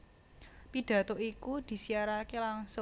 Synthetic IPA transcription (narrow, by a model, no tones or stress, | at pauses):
pid̪̥ä̤t̪oʔikud̪̥i̤siaɾakelaŋsʊ